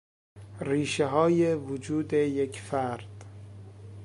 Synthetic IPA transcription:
riːʃeɦɒːjevod͡ʒuːd̪ejekʰfæɾd̪̥

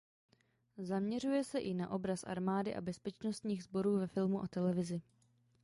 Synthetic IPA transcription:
zamɲɛr̝ujɛsɛʔɪnaʔo̞bɾasʔa̰ɾmaːdɪʔa̰bɛspɛt͡ʃno̞st̪ɲiːɣzbo̞ɾuːvɛfɪlmuʔot̪ɛlɛvɪzɪ

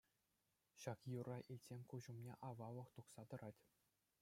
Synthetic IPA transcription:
ɕɑkjurɑʔilʲtʲsʲenʲkuʑumnʲḛʔɑʋɑlɤ̆χt̪uχsɑt̪ɤ̆ɾɑtʲ

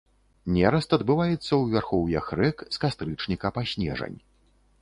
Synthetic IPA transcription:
nʲɛɾɐst̪ɐd̪bɨvajɛt̪sːɐwvʲarxɔwjɛxɾɛkskast̪ɾɨt͡ʂnʲikɐpasʲnʲɛ̰ʐɐ̰nʲ

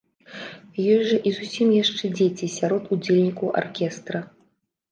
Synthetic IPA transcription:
jɔjʲʐɐʔizusʲimjaʂt͡ʂɛd͡zʲet͡sʲisʲaɾɔt̪ud͡zʲelʲnʲikɐwʔa̰rkʲɛst̪ɾɐ

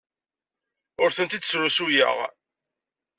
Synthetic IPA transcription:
ʊɾθənt̪id̪sɾusujə̰ʁ

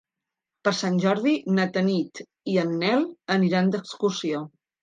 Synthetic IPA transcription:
pəɾsanʲʒɔɾðinət̪ənit̪ | iənːɛləniɾand̪əkskursio

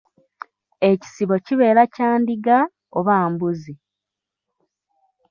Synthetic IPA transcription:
eci̥siβo̞ciβe̞ːɾacaːndiɡa | oβaːmbuzi

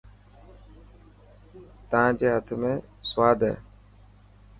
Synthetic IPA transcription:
t̪əʋãːd͡ʒeːɦət̪ʰmẽː | sʋaːd̪ʱɦɛ̰ː

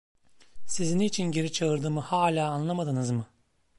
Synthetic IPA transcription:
siziniːt͡ʃʰinɟe̞ɾit͡ʃʰaɯɾd̪ɯːmɯhaːlʲaːnlˠamad̪ɯnɯzmɯ

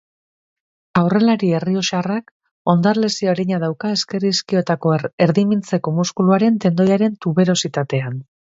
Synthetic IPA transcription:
awre̞laɾie̞rio̞ʃarak | o̞nd̪arle̞sioɾeɲaðawkae̞ske̞riskio̞t̪ako̞eɾðimint͡se̞ko̞muskuluaɾe̞nt̪e̞nd̪o̞jaɾe̞nt̪uβe̞ɾo̞sit̪at̪e̞an

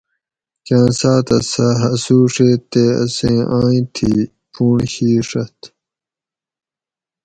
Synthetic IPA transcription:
kãːnsaːt̪ɐsɐɦɐsuːʂeːt̪eːɐ̰sẽːʔãːĩt̪ʰiː | puːɳɕiːʂɐt̪

